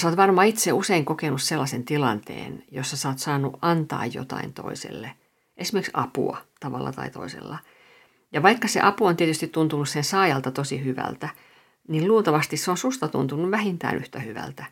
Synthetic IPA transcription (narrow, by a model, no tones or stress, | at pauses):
soːt̪ʋɑrmɑːit̪seuseiŋkokenusselːɑsent̪ilɑnt̪ḛːnjosːɑsɑːt̪sɑːnːuʔʔɑnt̪ɑ̰ːjjo̰t̪ɑ̰int̪o̰isḛlːe | ʔesimeriksɑpṵɑ̰t̪ɑʋɑ̰lːɑ̰t̪ɑ̰it̪o̰isḛlːɑ | jɑʋɑikːɑsḛʔɑpuont̪iet̪yst̪it̪t̪unt̪unussensɑːjɑlt̪ɑt̪osihyʋæ̰lt̪æ | nilluːt̪ɑʋɑst̪isseonsust̪ɑt̪ṵnt̪unuʋʋæhint̪æ̰ːnʔyht̪æhyʋæ̰lt̪æ